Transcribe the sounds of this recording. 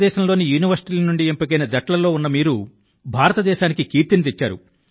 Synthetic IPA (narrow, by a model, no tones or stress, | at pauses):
ɛːʃɐmlo̞ːnijuːniʋɐɾsiʈilɐnuɳɖiempɐkɐjnɐd͡ʒɐʈlɐlo̞ːunːɐmiːɾu | bʱaːɾɐt̪ɐd̪ɛːʃaːnikikiːɾt̪init̪et͡ʃːaːɾṵ